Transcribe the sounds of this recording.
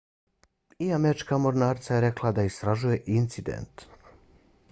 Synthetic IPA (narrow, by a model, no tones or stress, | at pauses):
iameɾit͡ʃkamoɾnaːɾt̪sajeɾeklˠad̪aist̪ɾaʒuje̞ʔint̪sid̪ḛnt̪